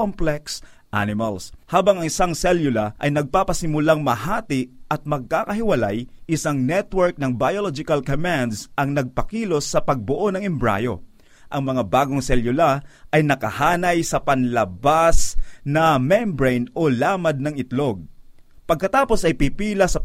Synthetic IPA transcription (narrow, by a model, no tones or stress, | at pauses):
omplɛks | ʔa̰nɪmalshaːbɐŋɐŋɪsaŋsɛljʊlaʔɐjnɐɡ̚papɐsɪmʊlaŋmɐhaːt̪ɪʔɐt̪̚mɐɡ̚kaːkɐɦɪwɐlajʔɪsaŋnɛt̪wɛɹk̚nɐŋbajolod͡ʒɪkɐlkomand̪sʔɐŋnɐɡ̚pɐkiːlo̞sːɐpɐɡ̚boʔonɐŋɛmbɹa̰jo̰ | ʔɐŋmɐŋabaːɡoŋsɛljʊlaʔɐjnɐkɐhaːnɐjsɐpɐnlɐbasnɐmɛnbɹɛjnolaːmɐd̪̚nɐŋɪt̪lo̞ɡ̚pɐɡ̚kɐt̪aːpo̞sɐjpipiːlɐsɐ